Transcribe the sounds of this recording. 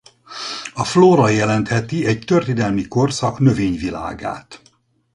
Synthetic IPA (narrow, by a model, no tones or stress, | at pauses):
ɒfloːɾɒjɛlɛnt̪hɛt̪iɛɟt̪ørt̪id̪ɛlmiko̞rsɒknø̞veːɲvila̰ːɡa̰ːt̪